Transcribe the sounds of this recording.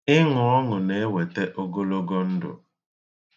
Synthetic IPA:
ɪ˦ŋʊ˨ɔ˦ŋʊ˨ne˦we˨te˦ʔo˦ɡo˦lo˦ɡo˦n̩˦dʊ̰˨

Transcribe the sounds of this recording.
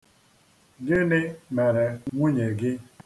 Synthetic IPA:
ɡɪ˦nɪ˦me˨ɾe˨ŋʷu˦ɲe˨ɡɪ˦

